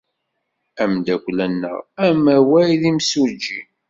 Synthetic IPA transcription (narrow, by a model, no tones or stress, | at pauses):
æmd̪ækʷlænːə̰ʁæmæwæjðimsud͡ʒːi